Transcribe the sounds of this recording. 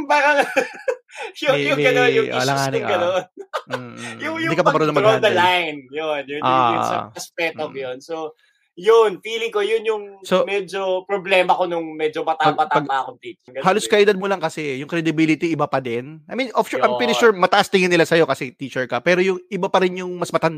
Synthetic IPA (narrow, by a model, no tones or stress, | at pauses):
bakɐ | jʊejʊŋɡɐoʊlɐŋaːnɡɐnon̩ | jʊŋjʊd̪ikɐpɐmɐɾonɐmɐɡod̪ɐlajnjonjʊnʔa̰ʊsɐ̰ɐspɛt̪okjonso | jʊnfiːlɪŋko̞jʊnjʊŋsomɛd͡ʒopɾoblɛːmɐkonʊŋmɛd͡ʒomɐt̪aɡpɐapɐɡ̚akont̪it͡ʃɛɡɐhaːloskɐʔɪd̪ɐd̪̚molɐŋkɐsɛjʊŋkɾɛd̪ɪbiːlɪt̪iɪbapɐd̪ɛnʔɐjminʔofʃuɹʔajmpwɪt̪ɪʃuɹmɐt̪ɐʔast̪ɪŋɪnːɪlasɐjo̞kɐsɛt̪iːt͡ʃɛɹkɐpɛːɾojʊŋʔɪbapɐɾɪnjʊŋmɐsmɐt̪ɐn